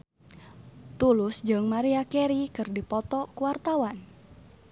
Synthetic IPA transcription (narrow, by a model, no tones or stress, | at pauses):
t̪ulʊsd͡ʒɨŋmaɾiakɛɾikɨrdipɔt̪ɔkuwart̪awan